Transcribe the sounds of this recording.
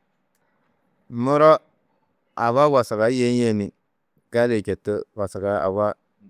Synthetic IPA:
mʊ˦ɾɔ˦ | a˨wa˦wa˨sa˨ka˨˦je˦n˦je˦˨ni˨ | ka˦le˨t͡ʃe˨tə˦wa˨sa˨ka˦a̰˨wa˦

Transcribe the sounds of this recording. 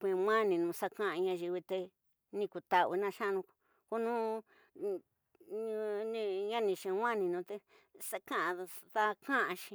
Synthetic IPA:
kʷẽ˧˨˧ŋã˦nĩ˨nũ˨˧sa˦˧kã˦ʔã˧ɲã˧ʒi˧βi˧t̪e˧ | nĩ˧ku˨t̪a˧βi˧nã˦˧ʃã˦˧nũ˧k | ko˦nũ˦ | ɲ˧nĩ˧ɲã˦nĩ˧˨ʃẽ˧˨wã˦nĩ˧nũ˧t̪e˧ | sa˦kã˦ʔã˧ða˦kã˦ʔã˧ʃĩ̥˧

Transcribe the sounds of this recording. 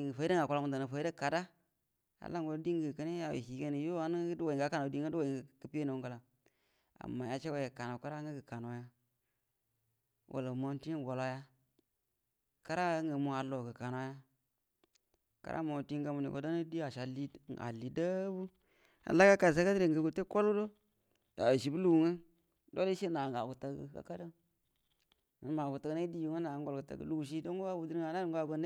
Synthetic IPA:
ŋ˨fa˨˦i˦da˦ŋa˨ka˦la˦mu˦n˨da˨na˨fa˨i˦də˦ka˨da˦ | a̰˨la˦ŋɡo˨˦di˦ŋɡə˨kə˦ni˦a˨wḛ˨hi˨ke˦ni˨jo˦a˦n˦dwa˨i˨ŋɡa˦ka˦na˨di˦ŋ˦ə˦dwo˨i˨kə˨pi˦je˦no˨˦ɡa˨la˨ | a̰˨mːa˨ja˨t͡ʃe˦wa˨e˨ka˨na˨ka˦ɾa˦ŋɡə˦ɡə˨ka˨no˨˦ja˦ | wʔa̰˨la˨mo˦ti˦n˦˨wo˨la˦ja˦ | ka˦ɾa˦ŋɡə˨mu˦a˨lo˨ɡə˨ka˨na˦ja˦ | ka̰˦ɾʔa̰˦mo˨ti˦ŋ˦ɡa˦mu˨nḭ˨ko̰˨˦do˦na˦di˦a˨ʃa˨li˦a̰˨li˨də˦bu˦ | a̰˨la˦ka˦ka˨s̬a˦ka˦di˦ɾe˨ŋɡə˨ɡu˨te˦ko˦lu˦do˦ | ja̰˨ʃi˨bu˦lu˨ŋə˦ | do˦li˦ʃe˦na˨ŋɡa̰˨ɡu˨ta˨ɡə̰˨ka̰˦ka˦da˦ | mə˨n˦ma˨ɡu˨ta˨ɡna˦di˦ju˨ŋə˦na˨˦ŋ˦ɡo˨lkə˨ta̰˨ɡə̰˨lu˦˨ʃ̬i˦do˦ŋ˦ɡu˦wa˦bu˨di˦ɾa˨na˦˨ŋɡa˦bə˦n˦

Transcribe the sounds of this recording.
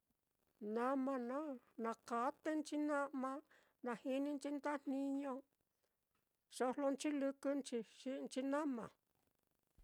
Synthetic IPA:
nã˧mã˧nã˦ | nã˨ka˨˦t̪e˦nt͡ʃi˦nã˦ʔmã˧ | nã˨hi˧nĩ˧nt͡ʃi˦nd̪a˦nnĩ˧ɲõ˧ | ʂo˧˦˧lo˧nt͡ʃi˦lɨ˧kɨ˧nt͡ʃi˧ʃi˧nt͡ʃi˧nã˦mã̰˨

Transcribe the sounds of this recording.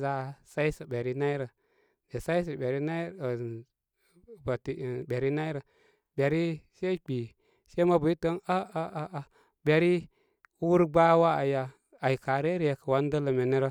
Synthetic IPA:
za˦sa˦i˦sə˨be˨ɾi˦na˦i˦ɾə˨ | de˨sa˦i˦s̬ə˨be˨ɾi˦na˦˨ | ba˨ti˨be˨ɾi˦na˦i˦ɾə˨ | be˨ɾi˦se˦k͡pi˨ | se˦ma˦bu˨˦i˦tə˦a˦a˦ʔa˨ | be˨ɾi˦ | wu˦ɾɡ͡ba˦wa˦a˨jaː˨ | i˨ka˨ɾe˦ɾi˨je˨kə˨wa˦n˦də˦lə˨me˨ne˦ɾə˦

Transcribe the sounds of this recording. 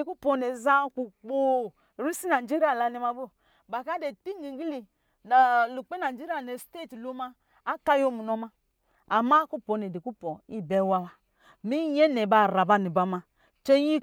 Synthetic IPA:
e˨ku˦pɔ˨ne˨za˦k͡pu˨k͡po˨ | ɾi˦si˦na˨d͡ʒe˦ɾi˦a˨la˨ni˨ma˦bo˨ | ba˨ka˦de˨ti˦ŋ˦ɡi˨ŋ˦ɡi˦li˨ | na˨lu˨k͡pe˦na˨˦d͡ʒe˦ɾi˦a˨ne˨ste˦˨tlo˦maː˦ | ka˦jo˦mu˨nɔ˦ma˦ | a˨ma˦ku˦pɔ˨ne˨de˨ku˦pɔ˨i˦bɛ˦wa˦wa˦ | mi˦ɲe˦ne˨ba˨ɾa˨ba˦˨ni˨ba˨ma˦ | t͡ʃe˦ɲi˦

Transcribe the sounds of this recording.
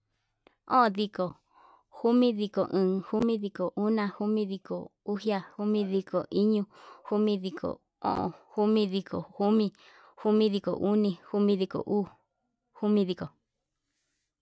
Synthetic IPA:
õ̰˦˨ði˧ko˨ | hu˦mĩ˦ði˧ko˨ʔɨ̃ː˨hu˦mĩ˦ði˧ko˨ʔu˦nã˧hu˦mĩ˦ði˧ko̰˨u˦hja˦hu˦mĩ˦ði˧ko˨ʔi˦ɲũ˧hu˦mĩ˧ði˧kʰo̰˨ | õ̰˦˨ʔõ̰˨hu˦mĩ˦ði˧ko̰˨hu˦mĩ˧ | hu˦mĩ˦ði˧ko̰˨ʔu˦nĩ˧hu˦mĩ˧ði˧ko̰˨ʔuː˦ | hu˦mĩ˧ði˧ko˨

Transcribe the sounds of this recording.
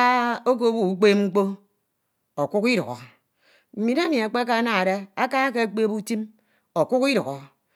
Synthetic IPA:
a˦o˦k̬o˦bu˨u˦k͡pe˦m˦ŋ͡m̩˦k͡po˦ | o˨ku˦ki˦ɾṵ˨ɣo̰˨ | m̩˨mi˨na˦mi˨a˨k͡pe˦a˦k̬a˦na˦a˨ɾe˦a˦ka˦ke˦a˦k͡pe˦bu˦ti˦m | o˨ku˦ki˦ɾu˨ɣɔ˨

